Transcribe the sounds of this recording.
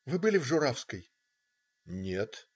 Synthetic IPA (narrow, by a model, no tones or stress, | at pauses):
vɨbɨlʲɪvʐʊɾafskəj | nʲet̪